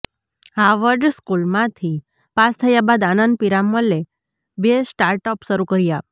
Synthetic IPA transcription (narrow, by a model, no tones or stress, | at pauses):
aʋəɾɖskulmãt̪ʰi | past̪ʰəjabad̪anən̚piɾaməle | besʈaɾʈɔpʃəɾukəɾja